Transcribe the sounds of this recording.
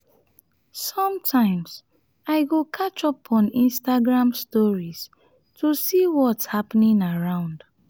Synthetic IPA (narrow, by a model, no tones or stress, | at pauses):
sɔ̃mtʰãɪ̃mz̥ | aɪɡokʰat͡ʃɔpʰɔ̃nĩnstaɡɹãmstɔɹiz̥ | tʰusiwɔtshapnĩŋaɹãʊ̃nd̥